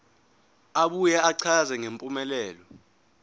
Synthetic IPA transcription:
aɓujɛaǀʰazɛŋempʼumɛlɛːlɔ

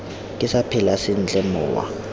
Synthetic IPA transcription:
kʼɪsapʰɪlasɪn̩t͡ɬʼɛmʊ̰ːwa̰

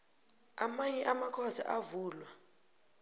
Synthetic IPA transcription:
amaiamakʰɔza̰ʔavuːlwa

